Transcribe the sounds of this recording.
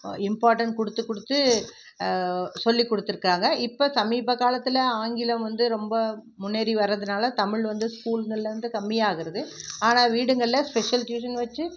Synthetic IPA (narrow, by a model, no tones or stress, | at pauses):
ɪmpaːɾʈɐɳʈkɔɽɯt̪ːɯkːɔɽɯt̪ːɯ | sɔlːikːɔɽɯt̪ːɯɾɯkːaːŋɡɐɪpːoːsɐmiːbɐkaːlɐt̪ːɪlɐaːŋɡɪlɐmʋɐnd̪ɯɾɔmbɐ | mʊnːeːɾiʋɐɾːɐðɯnaːlɐt̪ɐmɪɭʋɐnd̪ɯskuːlŋɡɐɭɪlɐʋɐnd̪ɯkɐmːɪjaːɣɪɾɐðɯaːnaːʋiːɽɯŋɡɐɭɪlɐspɛʂɐlʈjuːʂɐnʋɐt͡ʃːɯ